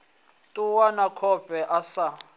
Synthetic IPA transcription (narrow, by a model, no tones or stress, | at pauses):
tʼuwanakʰɔb̥ʱʼɛʔasa